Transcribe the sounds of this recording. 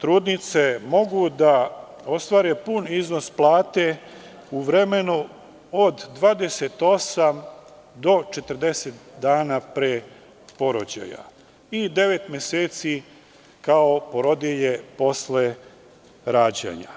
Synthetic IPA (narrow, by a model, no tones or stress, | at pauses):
t̪ɾuːd̪nit̪se̞mo̞ɡud̪a | o̞st̪ʋaːɾepunizno̞splˠaːt̪e | uʋɾe̞me̞nu | od̪ːʋaːd̪e̞set̪o̞sam | d̪o̞t͡ʃe̞t̪əɾd̪e̞set̪d̪aːnapɾeː | po̞ɾod͡ʑa̰ja̰ | id̪e̞ʋe̞t̪mjeseːt̪si | kao̞po̞ɾo̞d̪jeʎe̞po̞sle̞ | ɾaːd͡ʑḛɲa̰